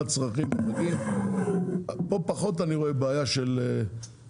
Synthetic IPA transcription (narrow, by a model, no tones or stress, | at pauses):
t͡sʁaχimanaɡim | po̞paχo̞taniʁo̞e̞beajaʃele